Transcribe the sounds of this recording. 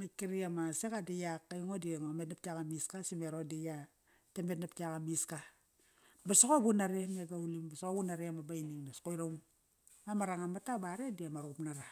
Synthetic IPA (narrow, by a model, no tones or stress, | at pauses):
makːiɾiamasekadijakːajŋodimametnap̚takamiskasimeɾodija | temetnap̚tiakamiska | basokobunaɾemeɡaulimbasokobunaɾemabajniŋnaskoiɾawm | mamaɾaŋamatabaɾediamaɾupnaɾa